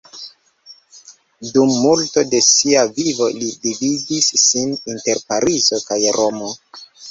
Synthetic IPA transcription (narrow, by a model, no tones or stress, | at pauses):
dumːulto̞de̞siavivo̞lidividisːininte̞ɾpaɾizo̞kajɾo̞mo